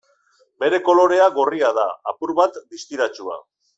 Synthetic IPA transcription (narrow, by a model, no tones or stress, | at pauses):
be̞ɾe̞ko̞lo̞ɾe̞aɣoriað̞aapuɾβat̪d̪ist̪iɾat͡ʃua̰